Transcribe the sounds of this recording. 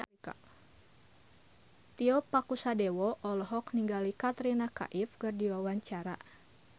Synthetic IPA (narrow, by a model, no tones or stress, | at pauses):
ka̰ | t̪iɔpakusadɛwɔʔɔlɔɦɔkniŋɡalikat̪ɾinaka̰ʔifkɨrdiwawaɲt͡ʃaɾa